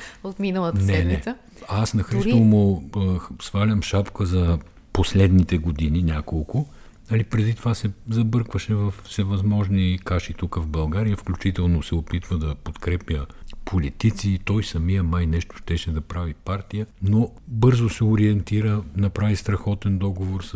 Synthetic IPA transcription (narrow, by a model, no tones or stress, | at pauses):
ot̪minəlˠət̪ənsɛd̪niɛsə | asnɐxɾist̪ovmo | svalʲəmʃapkəzɐ | poslɛd̪nit̪ɛɡod̪ininʲjakolˠkʊ | nɐlipɾɛd̪it̪ovasɛzɐbɤɾkvəʃɛvɐfsɛvɐzmɔʒnikaʃit̪ukəvbɐlˠɡaɾijəfklʲut͡ʃit̪ɛlˠnosɛopit̪vəd̪ɐpot̪kɾɛpjəpʰolit̪it̪sit̪ɔjsɐmijəmajnɛʃt̪o̥ʃt̪ɛʃɛd̪ɐpɾavipaɾt̪ijənobɤɾzosɛʊɾiɛnt̪iɾənɐpɾavist̪ɾɐxɔt̪ɛnd̪ɔɡovoɾs